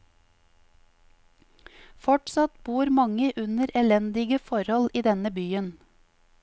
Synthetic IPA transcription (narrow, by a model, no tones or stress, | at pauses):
fɔʈsɑt̪b̥uːɾmɑŋəʔʉnəɾɛlɛnd̪ɪɡəfɔɾhɔliːd̪ɛnəbyːən